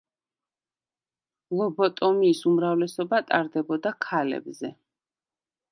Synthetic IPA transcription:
lˠɔbɔt̪ʼɔmiːsumɾavlɛsɔbat̪ʼaɾd̪ɛbɔd̪akʰalɛ̰bzɛ

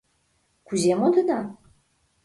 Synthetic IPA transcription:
kuzemod̪əd̪a

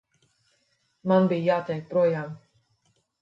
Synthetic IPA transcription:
manbijjaːt̪ɛjk̚pɾuɔjaːm

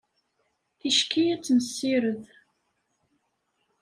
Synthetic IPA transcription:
θiʃkiæt͡sːməsːiɾəð

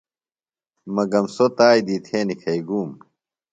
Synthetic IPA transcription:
mɐɡɐmsot̪aːjd̪iːt̪ʰeːnikʰɐiɡuːm

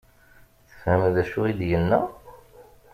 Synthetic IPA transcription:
θə̥fhəmðæʃuid̪jənːæ̰

